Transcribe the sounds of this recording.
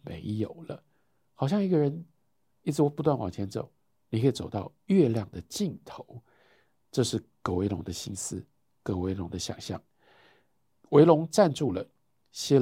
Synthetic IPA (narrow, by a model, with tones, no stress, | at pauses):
mḛ˧˥ɪjo˨˩ʊlə̰˦ | xɑ˨˩ɕjɑ˥˩ŋi˧˥ɡə˨ɻə˧˥n | i˥˩t͡s̩ʰ˥˩wɔ˨˩pu˧˥t̪wa˥˩nwɑ̰˨˩ŋt͡ɕʰjɛ˧˥nt͡so̰˨˩ʊ | ni˨˩kʰə˥˨˩t͡so˨˩ʊt̪ɑ˥ʊ | ɥɛ˥˧ljɑ˥˩ŋd̪ə˨t͡ɕi˥˩ŋt̪ʰo˧˦ʊ | ʈ͡ʂɤ˥˧ʂɻ̩˥˩kɤ˧˥we˧˥ɪlʊ˧˥ŋd̪ə˧ɕi˥nsɹ̩˦ | kɤ˧˥we˧˥ɪlʊ˧˥ŋd̪ə˧ɕjɑ̰˨˩ŋɕjɑ̰˥˩ŋ | we˧˥ɪlʊ˧˥ŋʈ͡ʂa˥˧nʈ͡ʂu˥˩lə˩ | ɕjɛ˥